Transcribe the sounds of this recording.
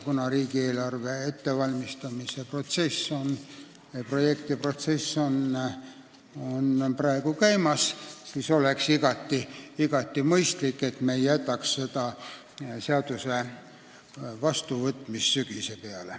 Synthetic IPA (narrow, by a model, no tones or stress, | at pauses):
kunɑɾiːɡ̥ie̞ːlɑrve̞e̞t̪ːe̞vɑlʲmist̪ɑmise̞pro̞t̪se̞sːo̞n | ɑpro̞je̞kt̪ipro̞t̪se̞sːo̞n | o̞nprɑeɡ̥ukæjmɑssiːso̞le̞ksiɡ̥ɑt̪ːˑiiɡ̥ɑt̪ːimɤjst̪likːe̞t̪mejjæt̪ːˑɑksːe̞d̪̥ɑ | seɑd̪̥use̞ | vɑst̪uvɤt̪ːˑmisːyɡ̥ise̞peɑle